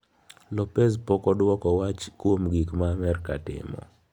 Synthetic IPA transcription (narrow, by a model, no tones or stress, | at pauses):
lɔpɛz̬pɔkɔdwɔkɔwat͡ʃkwomɡikmamɛrka̰tɪ̰mɔ̰